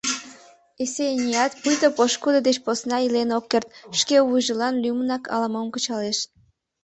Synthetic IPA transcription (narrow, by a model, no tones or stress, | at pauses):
esenʲiɑt̪pujt̪opoʃkud̪əd̪et͡ɕposnɑilenokːert̪̚ʃkeβujʒəlɑnlʲymənɑkʰɑ̰ləməmkət͡ɕɑleʃ